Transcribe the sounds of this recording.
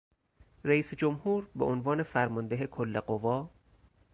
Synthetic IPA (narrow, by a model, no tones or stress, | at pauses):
ræiːsed͡ʒomhuːɾbḛʔonvɒːne̞fæɾmɒnd̪eɦekʰolːeɢovɒː